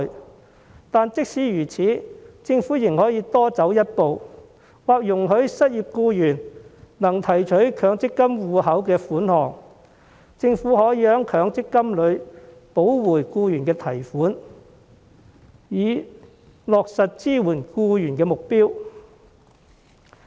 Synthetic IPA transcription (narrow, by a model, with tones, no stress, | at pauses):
t̪aː˨nt͡sɪ˥k̚siː˨˥jyː˨˩t͡sʰiː˨˥t͡sɪ˧ŋfuː˨˥jɪ˨˩ŋhɔː˨˥jiː˨˧˥t̪ɔː˥t͡sɐ˨˥wjɐ˥t̚po˨w | waː˨k̚jʊ˨˩ŋɦɵ˨˧ɥsɐ˥t̚jiː˨p̚kuː˧jyː˨˩nnɐ˨˩ŋt̪ʰɐ˨˩jt͡ʃʰɵ˨˥ɥkʰœː˨˧˥ŋt͡sɪ˥kːɐ˥mwuː˨hɐ˨˥wkɛː˧fuː˨˥nhɔː˨ŋ | t͡sɪ˧ŋfuː˨˥hɔː˨˥ji˨˧˥hœː˨˥ŋkʰœː˨˧ŋt͡sɪ˥kːɐ˥mlɵ˨˧ɥ | po˨˥wwuː˨˩jkuː˧jyː˨˩nkɛː˧t̪ʰɐ˨˩jfuː˨˥n | jiː˨˧ | lɔː˨k̚sɐ˨t̚t͡siː˥wuː˨˩nkuː˧jyː˨˩nkɛː˧mʊ˨k̚piː˥w